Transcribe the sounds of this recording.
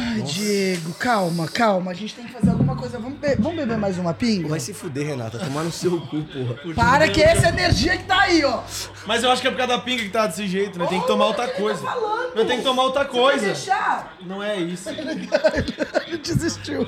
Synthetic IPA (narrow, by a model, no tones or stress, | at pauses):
ajd͡ʒieɡʊkawmɐkawmɐːʒẽnt͡ʃɪ̥t̪ẽj̃kɪ̥fazeɾawɡũmɐkojzɐvɐ̃mʊbevɐ̃mʊbebeɾmajzũmɐpĩŋɡɐvajsɪfud̪eɦena̰t̪ɐt̪omaɾnʊsewkupohɐʊpaɾɐkɪɛsɐeneɾʒiɐkɪ̥t̪aaiɔ | mɐzewaʃʊkɪɛpekad̪ɐd̪ɐpĩŋɡɐkɪt̪aɐd̪esɪʒejt̪ʊnɛt̪ẽj̃kɪt̪omaɾowt̪ɾɐkojzɐalɐẽt̪ẽj̃kɪ̥t̪omaowt̪ɾɐkojzɐeʃa | nɐ̃w̃ɛisʊeleɡad͡ʒʊaʒẽt͡ʃizist͡ʃiw